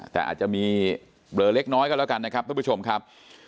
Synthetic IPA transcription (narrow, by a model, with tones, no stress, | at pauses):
t̪ɛ̰ː˨˩ʔa̰˨˩t͡ɕa˨˩miː˧ | blɤː˧le˦˥k̚nɔː˦˥jkɔː˥˩lɛ˦˥˩ka˧nːa˦˥kʰa˦˥p̚ʰa˥˩u˦˥t͡ɕʰo˧mkʰa˦˥p̚